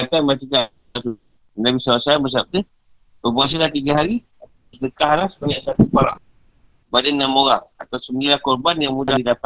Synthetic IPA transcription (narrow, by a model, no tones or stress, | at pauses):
at̪anbat̪ika | at̪u | ənabisawasaanbəs̬ap̚t̪ə | bəbuŋas̬alat̪iɡaɦaɾi | a | sdəkaɦlahsə̥paɲasat̪upaɾa̰ | badanːãmoɣaŋat̪awsəməilakɔrbanjaŋmudaidapa